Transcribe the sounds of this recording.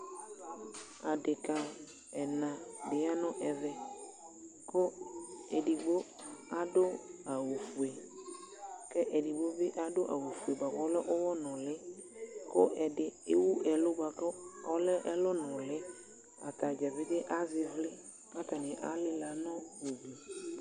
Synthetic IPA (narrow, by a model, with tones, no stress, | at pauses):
a˨ɖɪ˨ka˨ | ɛ˨nã˨ɖɪ˨a˦nɔ̃˦ʔɛ˨vɛ˨ | ko˦e˨ɖi˨ɡ͡bo˦ | a˦ɖo˦a˨wo˨fu˨e˨ | kɛ˦ʔe˨ɖi˨ɡ͡bo˦be˦ʔa˦ɖo˦ʔa˨wo˨fu˨e˨ba˨kɔ˦lɛ˦ʔo˦wɔ˦nɔ̃˨lɪ˦ko˦ʔɛ˨dɪ˨e˦wu˦ʔɛ˨lʊ˦ba˨kɔ˦ɔ˦lɛ˦ʔɛ˦lɔ˦nɔ̃˨lɪ˦ | a̰˨t̪a˨d͡ʒɛ˨vɪ˦dɪ˦ʔa˦zɪ˨vlɪ˦ | a˦t̪a˨nɪ̃˨ʔa˦lɪ˦la˨nɔ̃˦wu˨bi˨